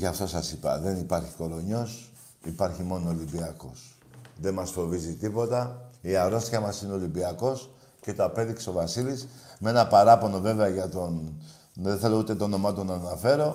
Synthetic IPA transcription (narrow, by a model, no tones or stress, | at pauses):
ʝɐft̪o̞sɐsipɐ̰ðe̞nipɐɾçiko̞ɾo̞ɲo̞s | ipɐɾçimo̞noːlimbiɐko̞s | ðe̞mɐsfo̞vizit̪ipo̞t̪ɐiɐɾo̞st̪çɐmɐsineo̞limbiɐko̞s | ce̞t̪oɐpe̞ðikseo̞vɐsilismee̞nɐpɐɾɐpo̞no̞ve̞ve̞ɐʝɐt̪o̞n | ðenθe̞lo̞ut̪e̞t̪oono̞mɐt̪onɐnɐfe̞ɾo̞